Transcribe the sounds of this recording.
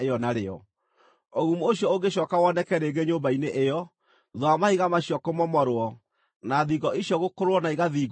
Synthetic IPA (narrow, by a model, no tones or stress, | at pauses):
eɔnaɾeɔ̰ | oɣumuoɕjɔoɡeɕɔkawɔnɛkɛɾeːɡeɲobaineʔejɔ | ðwamahiɣamaɕjɔkomɔmɔɾowɔ | naðiɡɔʔiɕjɔɣokoɾoɔnaiɣaðiːɡ